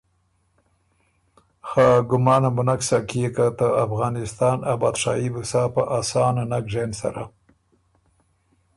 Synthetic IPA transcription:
xɑɡʊmɑːnabʊnaksakijekat̪əafɣɑːnɪst̪ɑːnabɑːd̪ʂɑibusɑpəʔasɑːnanakʐensa̰ɾa

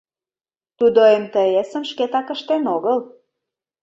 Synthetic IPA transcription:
t̪ud̪ojemt̪əesə̆mʃket̪ɑkə̆ʃt̪enoɣəl

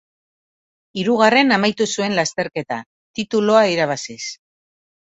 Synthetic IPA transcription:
iɾuɣare̞namajt̪usue̞nlast̪e̞ɾke̞t̪a | t̪it̪ulo̞aiɾaβ̞asis

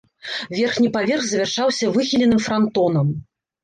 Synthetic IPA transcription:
vʲɛrxnʲipavʲɛrɣzɐvʲɛrʂawsʲɐvɨxʲilʲɛnɨmfɾant̪ɔnɐm

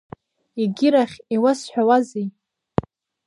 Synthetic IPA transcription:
iɡʲiɾaχʲiwasħʷᶣawazij

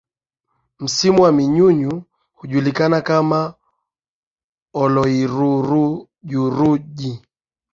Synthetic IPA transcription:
m̩simuwamiɲuɲu | huʄulikanakama | ɔlɔiɾuɾu | ʄuɾuʄi

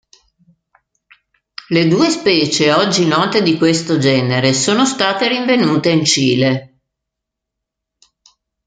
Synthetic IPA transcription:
led̪uːespɛːt͡ʃeɔd͡ʒːinɔːt̪ed̪ikwest̪od͡ʒɛːneɾesoːnost̪aːt̪eɾiɱvenuːt̪eint͡ʃiːle

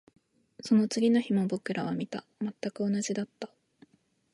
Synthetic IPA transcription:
so̞no̞t͡sɨɡʲino̞çimo̞bo̞kɯ̟ɾʔaβamʲit̪a | mat̪ːakɯ̟o̞naʑid̪at̪ːa

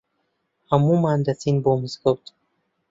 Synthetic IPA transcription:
amumand̪at͡sinbomzɡowt̪

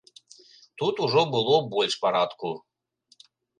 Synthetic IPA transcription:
t̪ut̪uʒobɨlˠobolʲʃpɑɾɑt̪ku

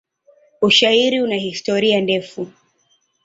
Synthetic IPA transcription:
uʃaiɾiunaɦistɔɾiandɛfu

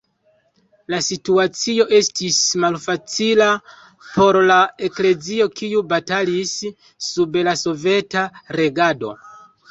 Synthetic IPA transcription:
lasituat͡sio̞ʔe̞stismalfat͡sila | po̞ɾlae̞kle̞d͡zio̞kiubatalisː | ublaso̞ve̞taɾe̞ɡado̞̰

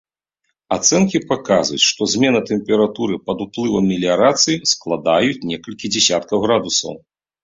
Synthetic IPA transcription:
at̪sɛnkʲipakazvut͡sʲʂt̪ɔzʲmʲɛnɐt̪ɛmpʲɛɾat̪uɾɨpɐd̪uplˠɨvɐmʲːilʲiaɾat̪sɨjisklˠad̪ajut͡sʲnʲɛkɐlʲkʲid͡zʲɛsʲat̪kɐwɣɾad̪usɐ̰w

